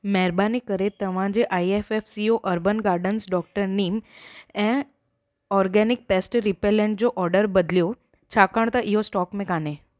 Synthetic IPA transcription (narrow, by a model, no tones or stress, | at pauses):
mɛɦɾbanikəɾet̪ɐʋ̤ãd͡ʑeʔajefefsioʔəɾbənɡaːɾɖənsɖɔk̚ʈəɾniːmɛ̃ | ɔɾɡɛnɪk̚pesʈɾipelẽɳʈ̚d͡ʑoʔɔɾɖəɾbəd̪ljo | t͡ɕʰakəɳ̃t̪aʔiɦosʈɔːkmẽkane